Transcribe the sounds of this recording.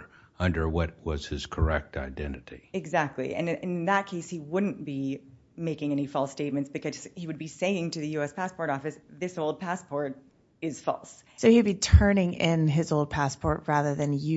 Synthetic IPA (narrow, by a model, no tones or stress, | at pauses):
ʌ̃ndə˞wʌt̚wʌz̥ɪz̥kʰə˞ɛk̚tʰa̰ɪdɛ̃nɨɾiɨɡzæk̚tʰˡlḭʔɨ̰̃nɨ̃nnðət̚kʰeɪshiwʊdⁿn̩b̥i | meɪkɪ̃ŋɛñifɔlˠsteɪt̚mɨ̃ntsb̥ɨkʰʌz̥hiwɨd̚biseɪɪ̃ŋtɨðɨjʉɛspʰæspʰɔɹɾɔfɨsðɪsoʊlˠd̚pʰæspʰɔɹɾ | ɪz̥fɔ̰lˠssoʊhiɨd̚bitʰɜ̃˞nɪ̃ŋɪ̃nɪzoʊlˠd̚pʰæspʰɔɹt̚ɹæðə˞ðɨ̃njɨ